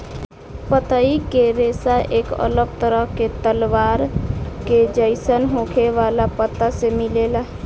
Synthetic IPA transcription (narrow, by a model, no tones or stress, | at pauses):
pət̪əikeɾesaʔekə̰ləb̚t̪əɾəket̪əlʋaɾked͡ʒəɪsənɦõkʰeʋalapət̪ːasemilela